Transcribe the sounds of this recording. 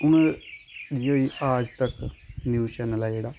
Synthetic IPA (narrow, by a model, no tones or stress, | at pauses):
ʊn | diːɦoːiːʔaːd͡ʒt̪əknjuːt͡ʃɛːnəlaːd͡ʒeːɽaː